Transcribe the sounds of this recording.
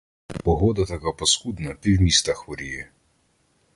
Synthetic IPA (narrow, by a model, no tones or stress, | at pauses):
pɔɦɔd̪ɐt̪ɐkapɔsxud̪nɐt̪ɪwmʲist̪ɐxʋɔɾʲijɛ